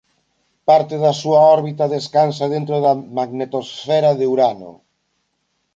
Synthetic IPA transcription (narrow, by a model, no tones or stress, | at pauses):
paɾt̪eðasuaɔɾβit̪aðeskansaðent̪ɾoðamaɣnet̪osfɛɾaðeuɾano̰